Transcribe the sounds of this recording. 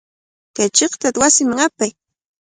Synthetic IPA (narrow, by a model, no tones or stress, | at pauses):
kajt͡ʃeqt̪at̪wasɪmaŋapaj